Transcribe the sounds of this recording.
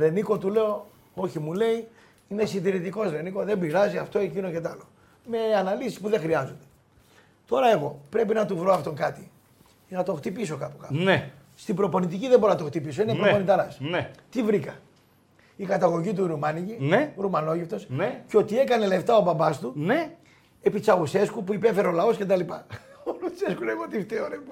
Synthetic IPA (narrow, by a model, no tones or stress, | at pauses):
ɾe̞niko̞t̪ule̞o̞ | o̞çimule̞i | inesind̪iɾit̪iko̞sɾe̞niko̞ðe̞mbiɾɐziɐft̪o̞e̞cinocet̪ɐlo̞ | me̞ɐnɐlisispuðexɾiɐzond̪e | t̪o̞ɾɐe̞ɣo̞pɾepinɐt̪uvɾo̞ɐft̪o̞ŋkɐt̪i | nɐt̪o̞xt̪ipiso̞kɐpo̥kɐne | st̪ibɾo̞po̞nit̪iciðeboɾonɐt̪oxt̪ipiso̞inepɾoponit̪ɐɾɐsnet̪ivɾikɐ | ikɐt̪ɐɣo̞ʝit̪̬uɾumɐnicineɾumɐno̞ʝift̪o̞sneceo̞t̪ie̞kɐne̞le̞ft̪ɐo̞bɐmbɐst̪une | epit͡sɐɣuse̞skupuipe̞fe̞ɾeo̞lɐo̞sce̞t̪ɐlipɐolu̥seskuneɣot̪ift̪eonep